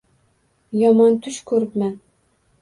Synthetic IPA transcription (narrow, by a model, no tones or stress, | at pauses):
jɒmɑnt̪ʰʊʃkʲʰɵɾɪpmæn